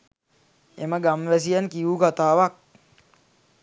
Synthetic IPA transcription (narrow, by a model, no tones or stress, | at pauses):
eməɡamʋæs̬ijankiukat̪aːʋak̚